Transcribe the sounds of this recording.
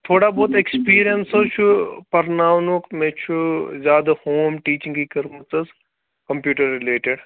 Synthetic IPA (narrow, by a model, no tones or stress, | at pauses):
t̪ʰoːɽaboːt̪ekspiːɾijɐnsot͡ʃʰupɐɾnaːʋnukmẽːt͡ʃʰuzʲjaːd̪ɐhoːmʈiːt͡ʃĩŋɡkikɐɾmɐt͡sɐz | kɐmpjuːʈɐɾːɪleːʈeɖ